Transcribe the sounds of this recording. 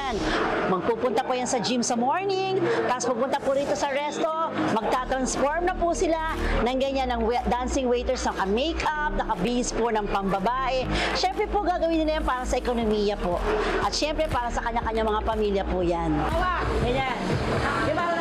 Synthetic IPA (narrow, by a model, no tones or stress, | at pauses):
nmɐɡ̚puːpʊnt̪ɐpojansɐd͡ʒimsɐmoɹnɪŋt̪aːspɐɡ̚pʊnt̪ɐpʊɾiːt̪o̞sɐɐɾɛst̪o̞mɐɡ̚t̪aːt̪ɾɐnsfoɹmnɐpʊsɪla | nɐŋɡɐɲanːɐŋwd̪ansɪŋwejt̪ɛɹsɐmɐkɐmejkap̚nɐkɐbiʔɪsponɐŋpɐmbɐbaːʔɛʃɛmpɾɛpoɡaːɡɐwinɪlɐjanpaːɾɐsɐʔɛkonomijɐpo̞ʔɐt̪ʃɛmpɾɛpaːɾɐsɐkɐɲːakɐɲːaŋmɐŋapɐmiljɐpʊjanawaɐja